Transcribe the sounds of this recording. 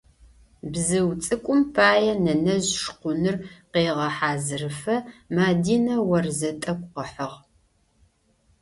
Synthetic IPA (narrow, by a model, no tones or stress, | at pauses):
bzɨwt͡sʼɨkʷʼʊmpʰaːjɛnɐnɐʑʂqʷʊnɨrqeːʁɐħaːzɨrɨfɐmaːdiːnɐwɐrzɐtʼɐkʷʼqəħəʁ